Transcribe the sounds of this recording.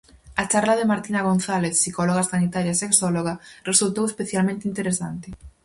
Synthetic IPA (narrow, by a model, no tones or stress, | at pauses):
ɐt͡ʃaɾlaðɪmaɾt̪inaɣ̞onθaleθsikoloɣasanit̪aɾjaseksɔloɣaresult̪owespeθjalmẽnt̪int̪eɾesant̪ɪ